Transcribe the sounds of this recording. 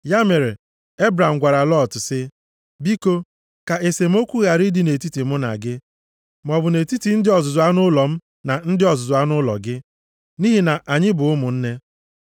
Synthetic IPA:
ja˦me˨ɾe˨ | e˦bɾa˨m̩˨ɡʷa˨ɾa˨lɔ˦˨tsɪ˦ | bi˦ko˦ | ka˨e˨se˨m̩˦o˦kʷu˦ɣa˨ɾi˦di˨˦ne˨ti˦ti˨mʊ˦na̰˨ɡɪ˦ | m˨ɔ˨bʊ˨ne˨ti˦ti˨n̩˦dɪ˦ɔ˨zʊ˨zʊ˨a˦nʊ˦lɔ˨m̩˦ | na˨n̩˦dɪ˦ɔ˨zʊ˨zʊ˨a˦nʊ˦lɔ̰˨ɡɪ˦ | ni˦ɦi˨na˨ʔa˨ɲɪ˦bʊ˨ʊ˦mʊ˨n̩˦ne˦

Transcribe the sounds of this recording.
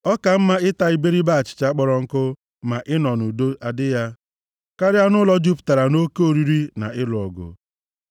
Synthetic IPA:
ɔ˦ka˨m̩˦ma˦ɪ˦ta˨i˨be˦ɾi˦ba˦a˨t͡ʃɪ̥˨t͡ʃa˦k͡pɔ˦ɾɔ˦ŋ̩˦kʊ˦ | ma˨ʔɪ˦nɔ˨nu˨do˦ʔa˨dɪ˦ja˦ | ka˦ɾɪ˦a˦nʊ˦lɔ˦d͡ʒu˦pta˨ɾa˨no˦ke˦o˨ɾi˦ɾi˦na̰˨ɪ˦lʊ˨ɔ˨ɡʊ̰˨

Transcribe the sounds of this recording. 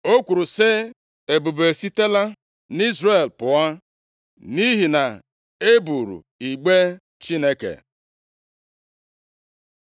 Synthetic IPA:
o˦kʷu˨ɾu˨sɪ˦ | e˨bu˨be˨si˦te˦la˦ | ni˦zre˦˨lpʊ˨a˦ | ni˦ɦi˨na˨ | e˦bu˨ɾṵ˨ | i˨ɡ͡be˦ | t͡ʃi˦ne˦kḛ˨

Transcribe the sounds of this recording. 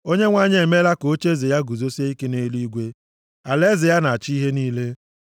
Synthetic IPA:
o˦ɲe˦ŋʷa˦ɲe˦˨e˨me˦la˦ko˨˦t͡ʃe˦ze˨ja˦ɡu˨zo˦se˦i˦ke˦ne˦li˦ɡʷe˦ | a˨le˦zɪ˨ja˦na˨a˨t͡ʃi˦ɦe˦niː˦le˦

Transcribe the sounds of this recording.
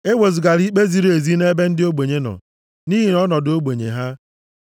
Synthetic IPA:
e˦wo˨zi˨ɡa˨ɾi˦k͡pe˦zi˨˦ɾe˨zi˦ne˦be˦n̩˦dɪ˦o˦ɡ͡bo˨ɲe˦nɔ̰˨ | ni˦ɦi˨nɔ˦nɔ˨do˦ɡ͡be˨ɲḛ˨ɦa˦

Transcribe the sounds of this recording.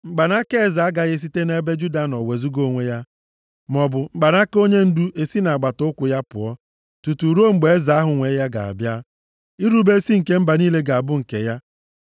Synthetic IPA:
ŋ͡m̩˦ɡ͡ba˨na˦ke˦e˦˨za˨a˦ɡa˨ɣe˦s̬i˦te˦ne˦be˦d͡ʒu˦da˨nɔ˨we˨zu˦ɡo˦ŋʷe˦ja˦ | mɔ˨bʊ˨m̩˨ɡ͡ba˨n˦a˦ko˦ɲe˦n̩˦du˦ʔe˨si˦na˨a˨ɡ͡ba˨tʊ˦ʊ˦kʷʊ˨ja˦pʊ̰˨ɔ˦ | tu˨tu˨ɾo˦ŋ͡m̩˨ɡ͡be˨e˦za˨˦a˦ɦʊ˨ŋʷe˨˦ja˦ɡa̰˨a̰˨bja˦ | i˦ɾu˦be˦si˦ŋ̩˨ke˦m̩˦ba˨niː˦le˦ɡa˨a˨bʊ˦ŋ̩˨kḛ˨ja˦

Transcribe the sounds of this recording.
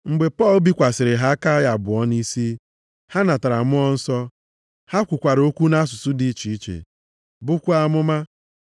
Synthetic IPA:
ŋ͡m̩˨ɡ͡be˨pɔ˦˨lbi˦kʷa˨sɪ˨ɾɪ˨ɦa˦ka˦ja˨bʊ˨ɔ˦ni˦si˦ | ha˦na˨ta˨ɾa˨mʊ˦ɔ˦n̩˦sɔ˦ | ha˦kʷʊ˨kʷa˨ɾo˦kʷu˦na˦s̬ʊ˨sʊ˦di˦t͡ʃi˨˦t͡ʃḛ˨ | bʊ˦kʷʊ˦a˦mʊ˦ma˦

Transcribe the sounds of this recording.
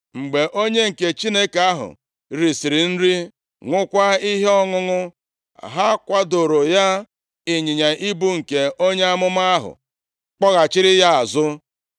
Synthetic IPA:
ŋ͡m̩˨ɡ͡be˨ʔo˦ɲe˦ŋ̩˨ke˨t͡ʃi˦ne˦ka˦ɦʊ̰˨ | ɾi˨si˨ɾi˨n̩˦ɾi˦ | ŋʷʊ˦kʷa˦i˦ɦe˦ɔ˦ŋʊ˦ŋʊ̰˦˨ | ɦa˦kʷa˦do˨ɾo˨ja˦ | ɪ˨ɲɪ˨ɲa˨ʔi˦bu˦ŋ̩˨ke˨o˦ɲe˦a˦mʊ˦ma˦a˦ɦʊ̰˨ | k͡pɔ˦ɣa˨t͡ʃɪ˦ɾɪ˦ja˦a˨zʊ˦

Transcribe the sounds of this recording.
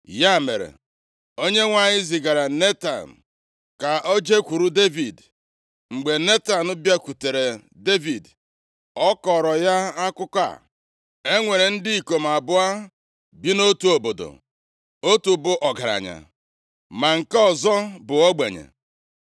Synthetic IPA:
ja˦˨me˨ɾḛ˨ | o˦ɲe˦ŋʷa˨ɲɪ˦zɪ˨ɡa˨ɾa˨ne˦ta̰˨n̩˨ | ka˨ʔo˦d͡ʒe˦kʷu˨ɾu˦de˦vi˨d | ŋ͡m̩˨ɡ͡be˨ne˦ta˨nʊ˦bja˦kʷu˨te˨ɾe˨ | de˦vi˨d | ɔ˦kɔ˨ɾɔ˨ja˦a˦kʊ˦kʷa̰˨ | e˦ŋʷe˨ɾe˨n̩˦dɪ˦i˨ko˨m̩˨a˨bʊ˦a˦ | bi˦no˦tu˨˦o˨bo˨do̰˨ | o˦tu˨bʊ˦ʔɔ˨ɡa˨ɾa̰˨ɲa̰˨ | ma˨ŋ̩˨kɔ˦zɔ˦bʊ˨ɔ˦ɡ͡be˨ɲḛ˨

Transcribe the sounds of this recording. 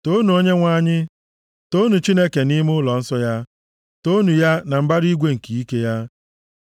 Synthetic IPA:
to˦nu˨o˦ɲe˦ŋʷa˦ɲɪ˦ | to˦nu˨t͡ʃi˦ne˦ke˨ni˦m˦ʊ˦lɔ˨n̩˦sɔ˦ja˦ | to˦nu˨ja˦na˨m̩˨ba˦ɾi˦ɡʷe˦ŋ̩˨ki˨i˦ke˦ja˦

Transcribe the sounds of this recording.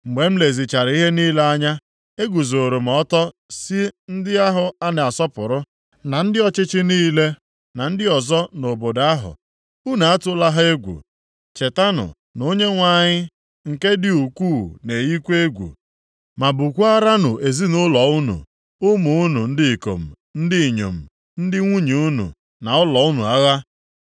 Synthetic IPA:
ŋ͡m̩˨ɡ͡be˨m̩˦le˨zi˨t͡ʃa˨ɾi˦ɦe˦niː˦le˦a˦ɲa˦ | e˦ɡʷu˨zo˨ɾo˨m̩˨ɔ˦tɔ˦ | si˦n̩˦dɪ˦a˦ɦʊ˨a˦ne˨a˨sɔ˦pʊ˨ɾʊ˦ | na˨n̩˦dɪ˦ɔ˨t͡ʃɪ˦t͡ʃɪ˦niː˦le˦ | na˨n̩˦dɪ˦ɔ˨zɔ˦no˨bo˨da˦ɦʊ̰˨ | u˦na˨a˦tʊ˦la˦ɦa˦e˦ɡʷṵ˨ | t͡ʃe˨ta˦nʊ̰˨ | no˦ɲe˦ŋʷa˦˨ɲɪ˦ | ŋ̩˨ke˦dɪ˦u˨kʷuː˦˨ne˨ɣi˦kʷe˦e˦ɡʷṵ˨ | ma˨bʊ˨kʷu˦a˦ɾa˦nʊ˨ʔe˨zi˦nʊ˦lɔ˨ʊ˦nṵ˨ | ʊ˦mo˨u˦nu˨n̩˦dɪ˦i˨ko̰˨m̩˨ | n̩˦dɪ˦i˨ɲo̰˨m̩˨ | n̩˦dɪ˦ŋʷu˦ɲi˨u˦nṵ˨ | na˨ʊ˦lɔ˨ʊ˦nṵ˨a˦ɣa˦

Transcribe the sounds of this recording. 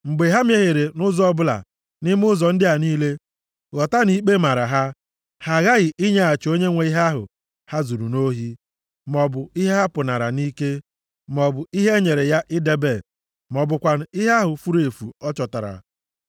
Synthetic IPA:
ŋ͡m̩˨ɡ͡be˨ɦa˦mje˦ɦe˨ɾe˨nʊ˦zɔ˦bʊ˦la̰˨ | nɪ˦m˦ʊ˦zɔ˨n̩˦dɪ˦ɦa˨niː˦le˦ | ɣɔ˨ta˦ni˦k͡pe˦ma˨ɾa˨ɦa˦ | ha˨ɣa˦ɣɪ˨ʔi˦ɲe˦a˨t͡ʃo˦ɲe˦ŋʷe˨˦i˦ɦa˦ɦʊ̰˨ | ha˦zu˨ɾu˨no˦ɦi˦ | mɔ˨bʊ˨i˦ɦe˦ɦa˦pʊ˨na˨ɾa̰˨ni˦ke˦ | m˨ɔ˨bʊ˨i˦ɦe˦ɲe˨ɾe˨ja˦ʔɪ˦de˦be˦˨ | m˨ɔ˨bʊ˨kʷa˨n̩˨i˦ɦa˦ɦʊ˨fu˦ɾe˨fu˨ɔ˦t͡ʃɔ˨ta˨ɾa̰˨

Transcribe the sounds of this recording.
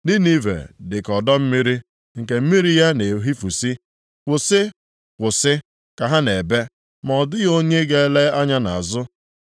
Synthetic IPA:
dɪ˦ni˦vḛ˨dɪ˨kɔ˨dɔ˦m̩˦mi˦ɾi˦ | ŋ̩˨ke˨m̩˦mi˦ɾi˦ja˦ne˨ɦi˦fu˨si˦ | kʷʊ˨sɪ˦ | kʷʊ˨sɪ˦ | ka˨ɦa˦ne˨be˦ | m˨ɔ˨dʊ˦ɣo˦ɲe˦ɡe˦le˦a˦ɲa˦na̰˨a˨zʊ˦

